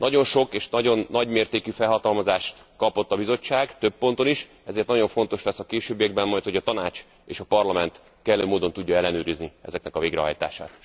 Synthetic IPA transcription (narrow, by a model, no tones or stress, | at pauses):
nɒɟo̞nʃo̞keːʃnɒɟo̞nːɒɟmeːrt̪eːkyfɛlɦɒt̪ɒlmɒzaːʃt̪ | kɒpo̞t̪ːɒbizo̞t͡ʃːaːɡt̪øpːo̞nt̪o̞niʃ | ɛzeːrt̪nɒɟo̞ɱfo̞nt̪o̞ʃlɛsɒkeːʃøːbijɛɡ̚bɛmmɒjt̪ho̞ɟɒt̪ɒnaːt͡ʃ | ḛːʃɒpɒrlɒmɛnt̪ | kɛlːøːmoːd̪o̞nt̪uɟːɒɛlːɛnøːɾizniɛ̰zɛknɛkɒveːɡrɛɦɒ̰jt̪a̰ːʃa̰ːt̪